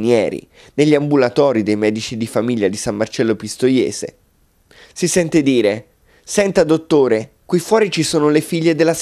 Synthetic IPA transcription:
njɛːɾḭ | neʎːiambulat̪ɔːɾid̪ejmɛːd̪it͡ʃid̪ifamiʎːad̪isamːart͡ʃɛlːopist̪ojɛ̰ːz̥ḛ | sisɛnt̪ed̪iːɾe | sɛnt̪ad̪ot̪ːoːɾe | kwijfːwɔːɾit͡ʃisoːnolefiʎːed̪elːas

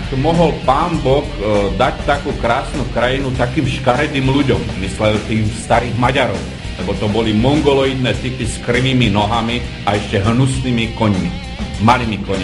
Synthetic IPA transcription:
kmɔɦɔlpaːmbɔkd̪act̪akuːkɾaːsnukɾajinut̪akiːmʃkaɾɛd̪iːmluɟɔmːislɛlt̪iːxst̪aɾiːɣmaɟaɾɔʊ | lɛbɔt̪ɔbɔlimɔŋɡɔlɔjid̪nɛːt̪ipiskriʋiːminɔɦami | aɛʃcɛɦnusnimikɔɲmi | maliːmikɔɲ

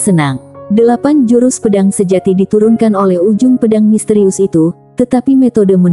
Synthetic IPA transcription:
sənaŋdəlapand͡ʒuɾʊspədaŋsəd͡ʒat̪idit̪uɾunkanolɛhud͡ʒʊŋpədaŋmist̪əɾiʊsit̪u | t̪ət̪apimet̪odəmən

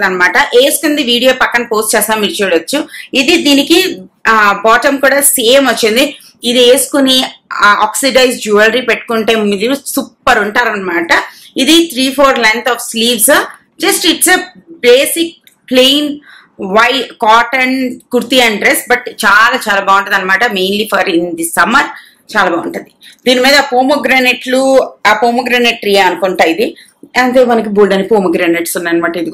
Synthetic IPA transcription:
ɐnɐmaːʈɐʔeːsu̥kund̪iʋiːɽijoːpɐkːɐnpoːsʈt͡ʃɛːsaːmit͡ʃɛːɽɐt͡ʃːuid̪id̪iːniki | baːʈɐmkuːɽaːseːmɐt͡ʃːind̪i | id̪ieːsu̥kuniaːksiɖɐjsd͡ʒuːɐlɐɾiːpeʈːu̥kuɳʈeːmid̪isupːɐɾuɳʈaːɾɐnɐmaːʈɐ | id̪it̪ʰɾiːpʰoːɾlent̪ʰɔːfsliːʋs | d͡ʒɐsʈiʈsebleːsik̚ | pleːn | ʋɐjkaːʈɐɳkuɾt̪iɐɳɖɖɾesbɐʈt͡ʃaːlaːt͡ʃaːlaːbaːwuɳʈɐnd̪ɐnːɐmaːʈɐmeːnlipʰɐɾind̪isɐmɐɾ | t͡ʃaːlaːbaːʋuɳʈund̪id̪iːnimiːd̪ɐaːpoːmoɡɾaːneʈluaːpoːmuɡɾaːneʈ̚ːɾiːɐnukoɳʈaːjid̪i | ɐnd̪eːmɐnɐk̬ibuːlɖɐnipoːmɐɡɾaːneʈsunːanːɐmaːʈɐid̪i

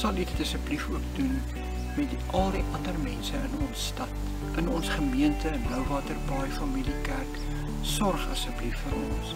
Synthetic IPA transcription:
sɐlditdəsəplifuək̚dun | mɛtdiʔɐlˠdiʔɐndərmɛnsəənɔnsːtɐt | ənɔnsχəmiəntəənəwvɑːtərbɐjfɐmilikærk | sɔrχdəsəplifːəɾɔ̰ns

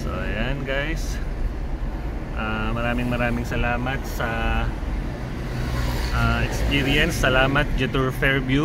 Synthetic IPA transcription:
so̰janɡajs | ʔaːmɐɾaːmɪŋmɐɾaːmɪŋsɐlaːmɐt̪̚sɐ | ʔaːʔɛkspiɾjɐnsːɐlaːmɐt̪̚d͡ʒɛt̪uɹfɛɹbju

